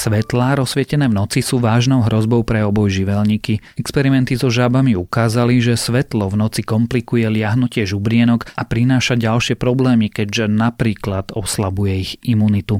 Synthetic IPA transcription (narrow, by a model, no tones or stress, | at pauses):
sʋɛt̪laːɾɔsʋɪɛcɛnɛːvnɔt͡sisuːʋaːʒnɔʊɦɾɔzbɔʊpɾɛɔbɔjʒiʋɛlɲiki | ɛkspɛɾimɛnt̪izɔʒabamiukaːzaliʒɛsʋɛt̪lɔvnɔt͡sikɔmplikujɛlɪaɦnucɪɛʒubɾɪɛnɔkapɾinaːʃaɟalʃɪɛpɾɔblɛːmikɛɟʒɛnapɾiːklad̪ɔslabujɛiɣimuːnit̪u